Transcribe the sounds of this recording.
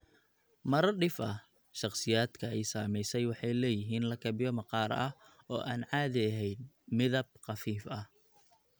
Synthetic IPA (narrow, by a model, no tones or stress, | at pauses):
mɐɾɐɖɪfʔɐh | ʃɑqsɪjaːd̪̥kʰɐɛjsaːmɛjsɛjwɑħɑjlɛːjɪɦiːnlɐkʰɐbɪjɔmɐqɑːɾɐh | ɔːʔaːnʕɑːðɪɐɦɛjd̪ | mɪðɐb̚qɑfiːfɐh